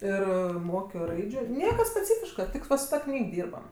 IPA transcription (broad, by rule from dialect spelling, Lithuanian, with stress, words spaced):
ˈɪr ˈmoːkʲoː ˈrɐɪd͡ʒʲʊ ˈnʲiɛkɐ sʲpʲɛˈt͡sʲiːfʲɪʃkɐ ˈtʲɪk ʋɐ sʊ ˈtɐ ˈknʲiːk ˈdʲiːrbɐm